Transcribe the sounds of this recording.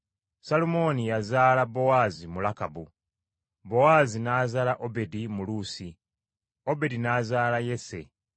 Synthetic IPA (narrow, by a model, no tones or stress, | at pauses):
salumo̞nijazaːlabo̞waːzimulakabu | bo̞waːzinaːzaːlaʔobe̞dimuluːsi | o̞be̞dinazaːlaje̞se̞̰